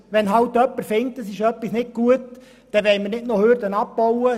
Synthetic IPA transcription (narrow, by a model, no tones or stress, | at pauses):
ʋɛnɦɑwtːœpːəɾfɪŋtdəsɪʃœpːisnɪt̚ɡ̥uət | d̥ɛʋɛɪmərnɪtnohøɾdənap̚b̥ɔwə